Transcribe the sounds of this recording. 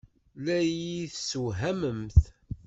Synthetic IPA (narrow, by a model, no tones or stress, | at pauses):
læjiθsuɦæməmθ